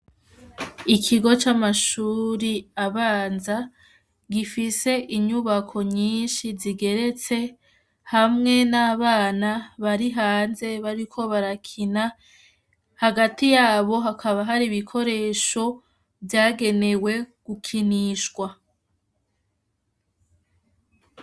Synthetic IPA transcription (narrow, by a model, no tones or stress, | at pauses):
ikʰiɡo̞t͡ʃamaʃuːɾiaβaːnza | ɡifise̞ʔiɲuβakʰo̞ɲiːnʃiziɡe̞ɾe̞t͡se̞ | hamŋe̞naβaːnaβaɾiɦaːnze̞βaɾikʰo̞βaɾakʰina | haɡatijaːβo̞ɦakʰaβaɦaɾiβikʰo̞ɾe̞ːʃo̞ | vjaːɡe̞ne̞we̞ɡ̥ukʰiniʃɡwa